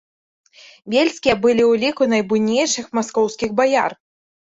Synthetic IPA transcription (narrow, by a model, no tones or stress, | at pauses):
vʲelʲsʲkʲijɐbɨlʲiwlʲikunajbujnʲejʂɨxmaskɔwskʲiɣbaja̰r